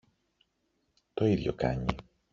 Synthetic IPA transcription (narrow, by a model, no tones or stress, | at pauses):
t̪oiðjo̰kaɲːḭ